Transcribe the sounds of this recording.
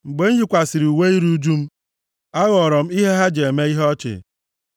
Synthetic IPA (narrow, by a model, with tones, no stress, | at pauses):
ŋ͡m̩˨ɡ͡be˦n̩˦ji˦kʷa˨si˨ɾi˨u˨we˦i˦ɾu˦u˦d͡ʒu˦m̩˦ | a˦ɣɔ˨ɾɔ˨m̩˦i˦ɦe˦ɦa˦d͡ʒe˨e˨me˦i˦ɦɔ˦t͡ʃɪ̰˨